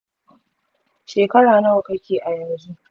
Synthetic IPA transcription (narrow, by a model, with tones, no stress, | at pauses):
ʃeː˨kɐ˦ɽaː˨nɐ˦wa˨kɐ˦kʲeː˨ʔa˨jɐ˨m˨d͡ʒuː˦